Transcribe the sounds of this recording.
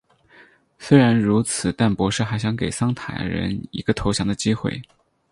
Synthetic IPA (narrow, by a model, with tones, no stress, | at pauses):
swe˥ɪɻa˧˥nɻu˧˥t͡sʰɹ̩˨˩t̪a˥˩npwɔ˧˥ʂɻ̩˥˩xa˧˥ɪɕjɑ˧˥ŋke˨˩ɪsɑ˥ŋt̪ʰa̰˨˩ɪɻə̰˧˥nḭ˧˥ɡə˧t̪ʰo˧˥ʊɕjɑ˧˥ŋd̪ə˧t͡ɕi˥xwḛ˥˩ɪ